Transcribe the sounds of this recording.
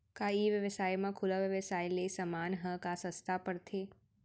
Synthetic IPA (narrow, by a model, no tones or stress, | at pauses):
kaiʋjəʋəsaːjmãkʰʊlaʋjəʋəsaːilesəmaːnɦə̃kasə̃st̪ʰapəɽt̪ʰeː